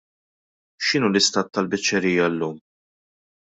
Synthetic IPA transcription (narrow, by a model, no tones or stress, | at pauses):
ʃɪnuːlɪst̪ɐːt̪ːɐlbɪt͡ʃːɛɾiːjːɐlːuːm